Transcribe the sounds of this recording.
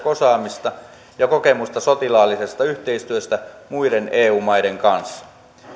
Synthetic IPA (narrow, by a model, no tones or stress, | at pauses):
kosɑːmist̪ɑ | jɑko̞kemust̪ɑso̞t̪ilɑːlːise̞st̪ɑyht̪e̞ist̪yøst̪æmuiɾenʔeːuːmɑjdeŋkɑnsːɑ̥